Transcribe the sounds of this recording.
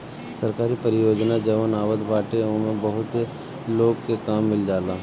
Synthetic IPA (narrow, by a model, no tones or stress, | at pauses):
sɐɾkaːɾipəɾɪjoːd͡ʒnad͡ʒəʋənaːʋət̪baːʈeõmẽbəɦʊt̪ | loːɡkekaːmːɪld͡ʒaːlaː